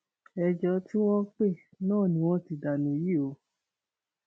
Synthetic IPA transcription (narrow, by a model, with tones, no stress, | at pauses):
ɛ˧d͡ʒɔ˧˦ti˦w̃ɔ̃˦k͡pe˦˨ | nãː˦˨nĩ˧˦w̃ɔ̃˦ti˧da˨nĩ˨˦ji˦˨o˨˦